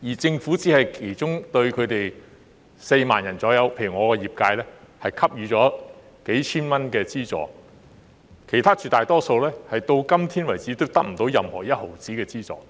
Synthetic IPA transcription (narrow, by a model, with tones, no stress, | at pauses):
jiː˨˩t͡sɪ˧ŋfuː˨˥t͡siː˨˥hɐ˨jkʰe˨˩jt͡sʊ˥ŋt̪ɵ˧ɥkʰɵ˨˧t̪e˨j | se˧jma̰ː˨njɐ˨˩nt͡sɔː˨˥jɐ˨˧wpʰe˧jy˨˩ŋɔː˨˧kɔː˧jiː˨˩p̚kaː˧jlɛː˥hɐ˨jkʰɐ˥p̚jyː˨˧t͡ʃɔː˨˥ | ke˨˥jt͡ʃʰiː˥nmɐ˥nkɛː˧t͡siː˥t͡sɔ̰ː˨˩ | kʰe˨˩jt̪ʰaː˥t͡ʃyː˨˩t̪aː˨jt̪ɔː˥so˧wlɛː˥hɐ˨jt̪o˧wkɐ˥mt̪ʰiː˥nwɐ˨˩jt͡siː˨˥t̪o˥wt̪ɐ˥k̚m̩˨˩t̪o˨˥wjɐ˨mhɔː˨˩jɐ˥t̚ho˨˩wt͡siː˨˥kɛː˧t͡siː˥t͡sɔ̰ː˨